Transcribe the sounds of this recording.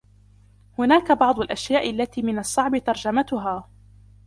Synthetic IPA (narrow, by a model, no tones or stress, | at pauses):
hʊnaːkabɑʕd̪ˤʊlʔaʃjaːʔɪlːat̪iːmɪnɑsˤːɑʕbɪt̪ɑɾˤd͡ʒamat̪ʊɦaː